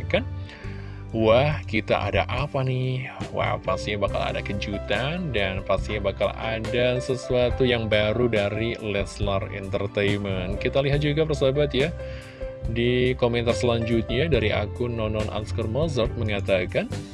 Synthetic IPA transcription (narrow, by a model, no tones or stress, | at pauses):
kan | wahkit̪a̰ʔa̰da̰ʔapanɪhwa̰hpast̪iɲabaka̰la̰da̰kəd͡ʒut̪andanpast̪iɲabaka̰la̰dasəsuat̪ujaŋbaɾudaɾilɛslarḭnt̪ərt̪ejmənkit̪aliɦat̪̚d͡ʒuɡapərsabat̪ja | dikomɛnt̪arsəlaɲd͡ʒut̪̚ɲadaɾiʔa̰kʊnɔnɔnʔa̰nskarmɔzɔrt̪̚məŋat̪akan